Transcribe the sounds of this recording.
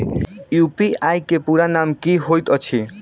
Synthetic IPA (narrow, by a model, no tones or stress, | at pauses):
jupiajkepuɾanamkiɦojt̪ʌt͡ʃʰi